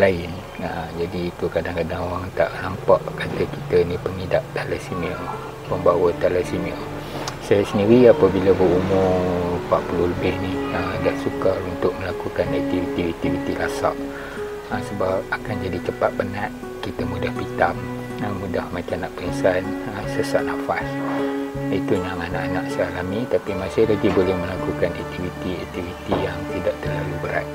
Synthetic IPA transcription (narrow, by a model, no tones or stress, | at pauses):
laɪn | əd͡ʒadiːt̪ukadaŋkadaŋoaŋt̪aʔlampaʔkat̪əkit̪ənipəŋidaʔt̪aləsimiə | pəmbawət̪alasimiə | sajasəndiɾiapabilabərumʊrpaʔpuluhləbɪhniədahsukalunt̪ʊk̚məlakukanak̚t̪ivit̪ivit̪ivit̪ilasa̰ʔ | əsəbap̚akand͡ʒadit͡ʃəpat̪̚banaʔ | kit̪amudahpit̪am | əːudahmat͡ʃamnaʔpəinsanəsəsaʔnafas | it̪ujaŋanaʔanaʔsəalamit̪apimãsɪhlaɡibolɛhmə̃lakukana̰k̚t̪ifit̪iak̚t̪ivit̪ijaŋt̪idaʔt̪ərlalubəɾa̰t̪̚